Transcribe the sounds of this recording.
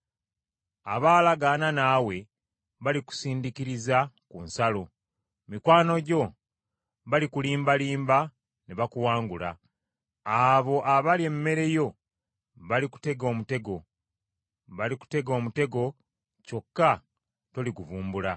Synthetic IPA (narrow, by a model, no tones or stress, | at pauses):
a̰βaːlaɡananawe̞ | βaliku̥siːndikiɾizakunsalo̞ | mikwaːno̞ɟo̞ | βalikuliːmbaliːmba | neβakuwaːŋɡula̰ | aβo̞ʔaβaliemːe̞ɾe̞jo̞ | βaliku̥te̞ɡo̞ːmute̞ɡo̞ | βaliku̥te̞ɡo̞ːmute̞ɡo̞ | co̞kːa | to̞liɡuvuːmbula